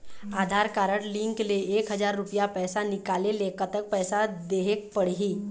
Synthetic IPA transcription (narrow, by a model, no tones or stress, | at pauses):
aːd̪ʱaːɾkaːɾəɽlɪ̃ŋkleeːkɦəd͡ʒaːɾːʊpijapɛːsanɪkaːlelekət̪ək̚pɛːsad̪eːɦek̚pəɽ̤ɦiː